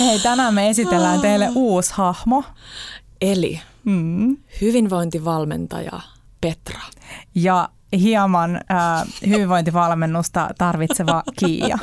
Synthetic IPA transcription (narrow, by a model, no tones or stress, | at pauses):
heijt̪ænæmːeesit̪elːæːnt̪eilːeʔʔuːshɑhmo | elḭ | m̩ːhyʋinʋo̞int̪iʋɑlmḛnt̪ɑ̰jɑ̰ | pe̞t̪rɑ̥jɑ | hiɑmɑnː | hyʋiʋʋo̞jnt̪iʋɑlmenːust̪ɑ̰t̪ɑrʋit̪seʋɑkḭːjɑ̰